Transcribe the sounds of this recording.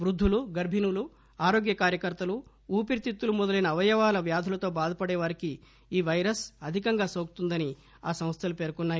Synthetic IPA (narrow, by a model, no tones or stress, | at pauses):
ʋɾud̪ʱːuluɡɐɾbʱinulu | aːɾo̞ːɡjɐkaːɾjɐkɐɾt̪ɐlu | uːpiɾit̪it̪ːulumɔd̪ɐlɐjnɐʋɐjɐʋaːlɐʋjaːd̪ʱɐlɐt̪o̞ːbaːd̪ʱɐpɐɽɛːʋɐɾiki | iːʋɐjɾɐsɐd̪ʱikɐŋɡaːsoːku̥t̪und̪ɐni | aːsɐ̃m̃st̪ʰɐlupeːɾkɔnːaːji